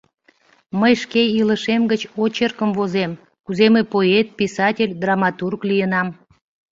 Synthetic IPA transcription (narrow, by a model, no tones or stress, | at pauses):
məjʃkeiləʃemɡət͡ɕot͡ɕerkəmvozem | kuzemepoet̪̚pʲisɑtʲelʲd̪rɑmɑt̪urklijənɑm